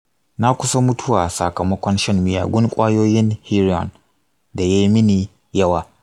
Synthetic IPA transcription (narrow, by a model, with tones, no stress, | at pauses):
na˦kʷʊ˦sa˦mʊ˦tʰʊ˦waː˨sɐ̰˨kɐ˨mɐ˦kʷɔ˦nʃɐ˦mmɪ˨ja̰ː˨ɡʷʊ˦ŋkʷʼaː˦joː˦jɪ˦nhi˦ɾɔ̰˨n | da˨jaː˦mɪ˦niː˨ | jɐ˦waː˨